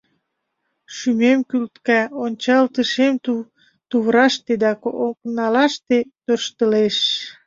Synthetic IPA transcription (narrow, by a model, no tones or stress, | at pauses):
ʃymemkylt̪kæonʲt͡ɕɑlt̪əʃem | t̪uβɾɑʃt̪ed̪ɑkooknɑlɑʃt̪et̪ørʃt̪əleʃ